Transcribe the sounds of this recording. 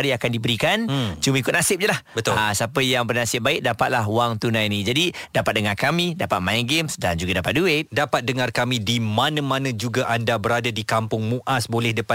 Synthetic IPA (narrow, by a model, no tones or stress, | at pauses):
ɾiakandibəɾikant͡ʃumə̃ikʊt̪nasɪp̚ɲəlahbət̪ʊasapəjaŋbərnasɪp̚baɪk̚dapat̪̚laɦuwaŋt̪unãjnĩd͡ʒadidapat̪̚dəŋarkamĩdapat̪̚mãjnɡemsdand͡ʒuɡadapat̪̚duɪt̪̚dapat̪̚dəŋarkamĩdimanãmanə̃d͡ʒuɡaʔandabəɾadadikampʊŋmuʔasbolɛhdəpa